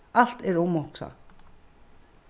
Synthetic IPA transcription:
al̥t̪ɛɹʊmɔksa̰

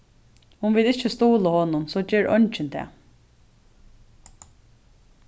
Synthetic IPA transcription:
hʊnʋɪlɪt͡ʃːəst̪uːləhɔːnʊnsɔːd͡ʒɛːɹʔœ̰nt͡ʃɪnt̪ʰɛ̰ː

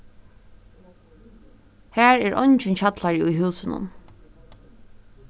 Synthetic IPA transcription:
hæːɹɛːɹʔɔɲt͡ʃɪnçat̪laɹɪujɦʉːsɪnʊ̰n

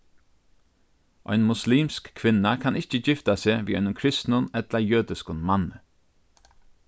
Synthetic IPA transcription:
ʔɔ̰jnmʊsliːmskkʰʋɪnakʰanʔɪht͡ʃəd͡ʒɪft̪aseːʋiːɔjnʊmkʰɾɪst̪nʊnɛt̪lajøːd̪ɪskʊnmanə

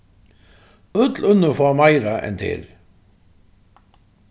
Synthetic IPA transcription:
ʊt̪lʏnʏfɔːmajɾaʔɛ̰nt̪ʰɪ̰l

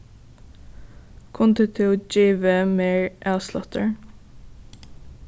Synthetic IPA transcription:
kʰʊnt̪ʰɪt̪ʰɪd͡ʒiːʋəmeːɹʔæslɑ̰t̪ə̰ɹ

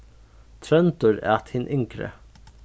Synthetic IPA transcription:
t̪ʰɾœnt̪ʊɾa̰t̪hɪnʔɪŋkɾə̰

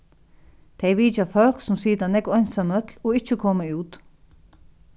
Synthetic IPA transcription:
t̪ʰɛjʋiːt͡ʃafœlksʊmsiːt̪anɛkɔjnsamœt̪lɔɪht͡ʃːəkʰɔːmauːt̪

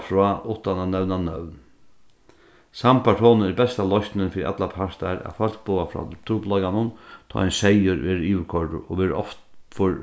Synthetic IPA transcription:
fɾɔːʊt̪ːananɛʋnanœʋn | sampʰaʈʰɔːnəɪɾbɛst̪alɔst̪nɪnfɪɾiʔa̰t̪lapʰaʂt̪aɾæ̰falk̚bʊːafɾɔ̰t̪ʰɾuplɔjkanʊnt̪ʰɑ̰ːɛnsɛjəɾʋeːɾiːʊɾkʰɔɹd̪ʊ̰ʔɔ̰ʋeːɾɔ̰ft̪fɔɹ

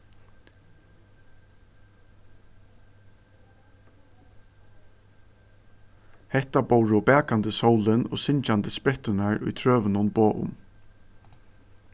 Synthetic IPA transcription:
hɛht̪abowɾʊbɛːkant̪əsɔwlɪnɔ̰ːsɪɲt͡ʃant̪əspɾɛht̪ɪnaɹʊ̰jt̪ʰɹøːʋənʊnboːʔʊ̰m

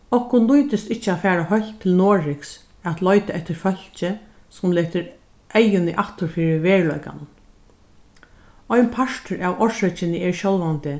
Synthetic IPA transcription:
ɔhkʊnlujt̪ɪst̪ɪht͡ʃːəafæːɹaɦœl̥t̪ʰːɪlnoːɹɪks | æt̪lɔʏt̪aɛht̪ɪɾfœl̥t͡ʃɪ | sʊmlɛːt̪əɾ | ʔɛjʊnɪʔaht̪ʊɹfiːɹɪʋeːɹlɔjka̰nʊn | ɔjnpʰaʂt̪əɹaʋɔʃœt͡ʃɪnɪɛɹʃɔlʋant̪ɪ

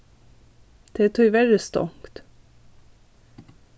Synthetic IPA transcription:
d̪̥ɛt̪ʰʏvæɾəst̪ɔ̰ŋkt̪

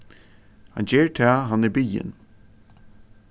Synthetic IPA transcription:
ha̰nd͡ʑeːɹt̪ʰæːɦanːɛɹbijə̰n

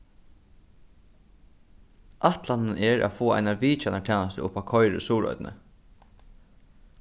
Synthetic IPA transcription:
ʔaht̪lannɛɹʔa̰foːa̰ɪjnaʋiːt͡ʃanat̪ʰɛːnast̪əʊpakʰɔʏɾə̰suːɹɔ̰ʏt̪nə̰

